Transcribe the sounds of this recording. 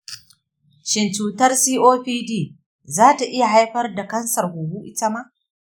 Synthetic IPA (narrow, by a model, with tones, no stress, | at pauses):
ʃɪ˨nt͡ʃuː˨tɐ˦rsiː˦ʔoː˦ɸiː˦diː˦˨ | zaː˦ta˨ʔɪ˦ja˨ɦa˦jɸɐ˦rda˨kɐ˦nsɐ˨rhu˨hu˦ʔɪ˦tɐ˦ma˦ʔ